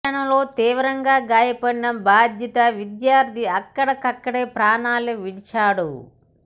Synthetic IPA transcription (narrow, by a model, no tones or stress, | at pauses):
ɐnɐlo̞ːt̪iːʋɐɾɐŋɡaːɡaːjɐpɐɽinɐmbʱaːd̪ʱjɐt̪ɐʋid̪jaːɾd̪ʱiɐkːɐɽɐkɐkːɐɽeːpɾaːɳaːleʋiɽit͡ʃaːɽu